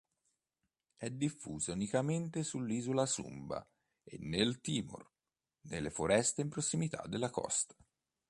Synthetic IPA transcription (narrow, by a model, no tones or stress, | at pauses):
ɛd̪ːifːuːzaunikament̪esulːiːzolasṵmba̰ | ḛnːelt̪iːmo̰r | nelːefoɾɛst̪eimpɾosːimit̪a̰d̪ːelːakɔ̰st̪